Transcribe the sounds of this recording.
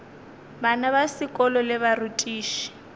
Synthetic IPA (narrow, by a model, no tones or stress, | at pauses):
banaβasikʼɔlɔlɛβarutʼiːʃi̥